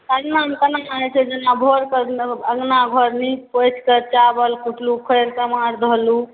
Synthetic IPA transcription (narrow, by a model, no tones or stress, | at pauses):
əɡnaɦəmkənamaɦet͡ʃʰɛd͡ʒənːabʱoɾkəɾəɡnaɡʱɔɾnipot͡ʃkəɾt͡ʃabəlkuʈlukʰəjɾsəmaɾd̪ʱɔlu